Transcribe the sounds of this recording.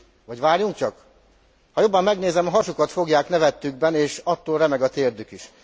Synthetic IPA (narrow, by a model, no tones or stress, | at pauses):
vɒɟʋaːɾjuŋk̚t͡ʃɒk | hɒjo̞bːɒmːɛɡneːzɛmɒɦɒʃukɒt̪fo̞ɡjaːknɛvɛt̪ːyɡ̚bɛneːʃɒt̪ːoːlɾɛmɛɡɒt̪eːrd̪ykiʃ